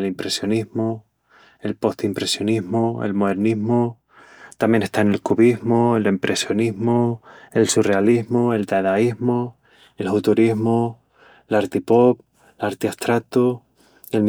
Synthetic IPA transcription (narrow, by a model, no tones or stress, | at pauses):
elimpɾe̞sjo̞niɦmo | e̞lpo̞ht̪impɾe̞sjo̞niɦmoḛlmoðeɾniɦmo | t̪amje̞ne̞ht̪aene̞lkuβiɦmoelempɾʔe̞sjo̞niɦmoe̞lsure̞aliɦmoe̞lt̪aðaiɦmo | elfut̪uɾiɦmo | laɾt̪ipop̚ | laɾt̪iast̪ɾak̚t̪o | elm